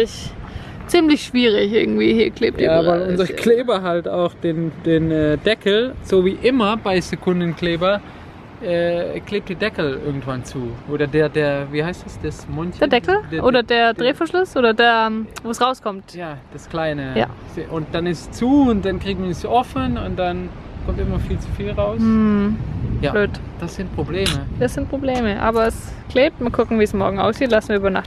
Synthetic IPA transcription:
ɪç | t͡siːmlɪçʃv̥iːʁɪçʔɪ̰ɐɡŋ̩tv̥iːhiːɐkʰl̥eːp̚d̥iavaɪlʊnzɐkl̥eːbɐɦalta̰ʊxd̥eːnd̥eːnɛːdɛkl̩z̥oːviːʔɪmɐbaɪzekʰʊndən̩kleːbɐ | ʔɛːkleːp̚td̥iːɐdɛkl̩ʔɪ̰ɐɡŋ̩tv̥ant͡suːʔoːdɐdeːɐdeːɐviːhaɪstɛsd̥asmɔnçdeːɐdɛkl̩dʔoːdɐdeːɐdʁeːfɐʃlʊsʔoːdɐdeːɐɛmvoːsʁaʊskʰɔmtjaːd̥askl̥aɪnəja̰ː | sʔʊnt̚d̥anɪstt͡suːʊnt̚d̥ankʁ̥iːɡ̚misʔɔfənʊ̰nt̚d̥an | kʰɔmtʔɪmɐfiːlt͡su̥fiːlʁaʊsm̩ | jabløːt | d̥asz̥ɪnt̚pʁ̥obleːməd̥asz̥ɪnt̚pʁ̥obleːməʔa̰ːbɐɛs | kʰleːp̚tmaːlkʰʊkŋ̩viːsmɔɐɡŋ̩ʔa̰ʊsz̥iːtlasn̩viːɐybɐna̰χt

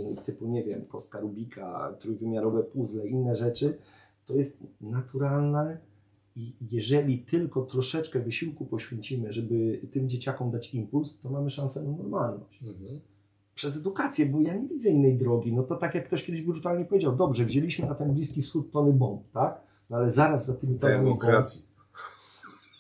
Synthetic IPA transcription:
t̪ɘpuɲɛvʲjɛmkɔst̪kaɾubʲikʰa̰t̪ɾujvɘmʲjaɾɔvɛpuzlɛinːɛʐɛt͡ʂɘ | t̪ɔjɛst̪nat̪uɾalnɛ | ijɛʐɛlʲit̪ɘlkɔt̪ɾɔʂɛt͡ʂkɛvɘɕiwkupɔɕfʲjeɲt͡ɕimɘʐɛbɘt̪ɘmd͡ʑet͡ɕakɔmd̪at͡ɕimpulst̪ɔmamɘʂãñsɛnanɔɾmalnɔ̰ɕ | pʂɛz̬ɛd̪ukat̪sʲjɛbɔjaɲɛvʲid̪zɛinːɛjd̪ɾɔɡʲinɔt̪ɔt̪akjakːt̪ɔɕkʲɛd̪ɘɪʑbbɾut̪alɲɛpɔvʲjed͡ʑawd̪ɔbʐɛvʑelʲiɕmɘnat̪ɛnblʲiskʲifsxut̪ːɔnɘbɔnt̪ːak | nɔalɛzaɾazːat̪ɘmʲit̪ɔnamkɾasji

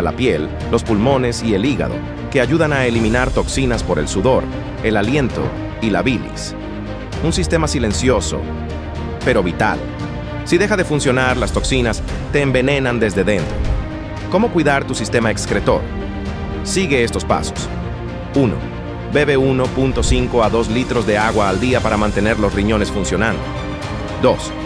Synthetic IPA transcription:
ala̰pje̞lːo̞spulmo̞ne̞sie̞liɣa̰ðo̞̰ | ke̞aʝuðanaelimĩnaɾt̪o̞ksinaspo̞ɾe̞̰lsuðo̞ɾ | e̞lalje̞nt̪o̞̰ | ilaβilḭs | unsist̪e̞masile̞nsjo̞so̞̰ | pe̞ɾo̞βit̪a̰l | siðe̞xaðe̞funsjo̞naɾlast̪o̞ksinas | t̪e̞ːmbe̞ne̞nand̪e̞zðe̞ðe̞nt̪ɾo̞̰ | ko̞mo̞kwiðaɾt̪usist̪e̞maekskɾe̞t̪o̞̰ɾ | siɣe̞est̪o̞spa̰so̞̥s | uno̞̰ | be̞βe̞uno̞punt̪o̞siŋko̞aðo̞slit̪ɾo̞zðe̞aɣwaːld̪iapaɾamãnt̪e̞ne̞ɾlo̞sriɲo̞nesfunsjo̞nãnd̪o | d̪o̞s

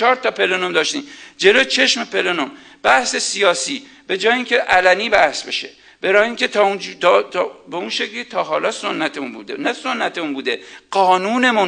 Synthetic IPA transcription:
t͡ʃʰɒːɾt̪ʰɒpʰe̞lonomd̪ɒːʃt̪ḭmd͡ʒe̞lot͡ʃʰe̞ʃmepʰe̞lonom | b̥æhse̞sijɒːsiː | b̥e̞d͡ʒɒːjeiːŋcʰeʔælæniːbæhsbe̞̰ʃḛ | b̥eɾɒːjiːŋcʲʰet̪ʰɒunt̪ːt̪ːbeunʃeklit̪ʰɒːɦɒːlɒːsonːæt̪ʰemunbṵːd̪enæsonːæt̪ʰemunbuːd̪eɢ̥ɒːnuːne̞mun

